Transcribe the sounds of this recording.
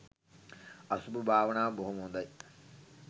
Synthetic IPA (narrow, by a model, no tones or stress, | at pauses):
ɐsububʱaːʋɐnaːboɦumund̪ɐj